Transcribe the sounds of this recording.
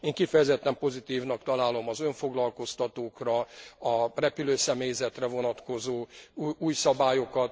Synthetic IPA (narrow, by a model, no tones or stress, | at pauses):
eːŋkifɛjɛzɛt̪ːɛmpo̞zit̪iːvnɒkt̪ɒlaːlo̞mɒzø̞ɱfo̞ɡlɒlko̞st̪ɒt̪oːkrɒɒrɛpyløːsɛmeːjzɛt̪rɛvo̞nɒt̪ko̞zoːuːjsɒbaːjo̞kɒt̪